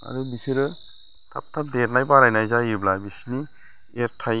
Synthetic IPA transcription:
a̰dubisiɾɯ | tʰa̰p̚tʰap̚deɾnajbaɾajnajzajiblabisini | eɾtʰaj

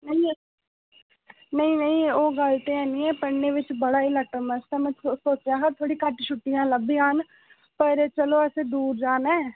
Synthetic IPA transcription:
nəĩ | nəɦĩnəɦĩoːɡəlt̪ẽɛːnĩːɛ̃ːpəɳːeːʋɪt͡ʃbəɽaːiləʈəmət͡ʃt̪ɛːmɛ̃t͡ʃːsoːt͡ʃjaːɦãːt̪ʰoːɽikəʈt͡ʃʰʊʈːijãːləbiːɦan | pəɾt͡ʃəloːɛsed̪uːɾd͡ʒaːnɛ̃ː

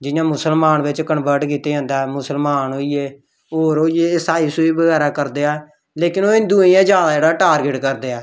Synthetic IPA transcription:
d͡ʒɪjãːmʊsəlmaːnʋɪt͡ʃkəɳʋəɾʈkiːt̪eːd͡ʒãːnd̪aːɛːmʊsəlmaːnɦoːieː | oːɾoːieːsaːiːsoːiːbəɡɛːɾaːkəɾd̪eːɛː | leːkɪnoːɪnd̪uːĩjãːd͡ʒaːɽãːd͡ʒeːɽaːʈaːɾɡɪʈkəɾd̪eːɛː

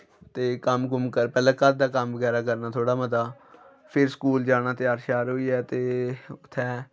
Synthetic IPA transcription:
t̪eːkəmkʊmkəɾpɛːlãːkət̪̚d̪aːkəmbəɡɛːɾaːk̬əɾnaːt̪ʰoːɽaːməd̪aː | pʰɪɾskuːld͡ʒaːnaːt̪ɪaːɾʃaːɾɦoːiːɛːt̪eːʊt̪ʰːɛ̃ː

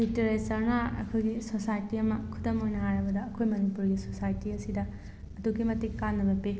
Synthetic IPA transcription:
liteɾesɐɾnɐɐ̰kʰojɡisosajtiɐmɐkʰudɐmojnɐɦaɾɐbɐdɐːkʰojmɐnipuɾɡisosajtiɐsidɐː | dukimɐtikːanːɐbɐpe

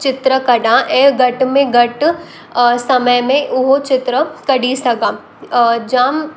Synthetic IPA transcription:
t͡ʃɪt̪ɾəkɐɖaʔeɡɐʈmẽɡɐʈ | sɐməjmẽʔʊɦot͡ʃɪt̪ɾəkɐɽisɐɡaː | d͡ʒaːm

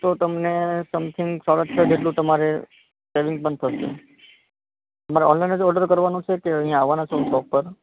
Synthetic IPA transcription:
t̪ot̪əmnesəmt̪ʰɪ̃ŋɡsaɾət̪t͡ʃʰəd͡ʒeʈlũt̪əmaɾe | seʋɪ̃ŋɡ̚pəɳt̪ʰəʃḛ | əmaɾeɔnlajnəd͡ʒɔɾɖəɾkəɾʋanũt͡ʃʰekeə̃ɦĩjãːʋanat͡ʃʰoũsɔfpəɾ

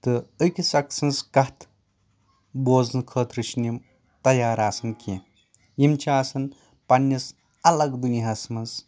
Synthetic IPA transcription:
t̪ɨəkʲʰisɐksɐnskɐht̪ʰ | boːznkʰəːt̪ɾɨʃnim | t̪ɐjaːɾaːsɨnkʲẽ | jimt͡ʃʰiaːsɐn | pɐnʲːɐs | ɐlɐɡd̪uniɦasmɐns

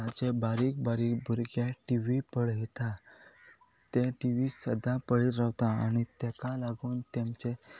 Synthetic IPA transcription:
at͡ɕebaɾiːk̚baɾiːkbʱuɾɡjaʈiʋipəɭɦet̪a | t̪eʈiʋisəd̪apəɭit̪ɾaʋt̪aa̰ɽ̃it̪ɛkalaɡuːnt̪amt͡ɕe

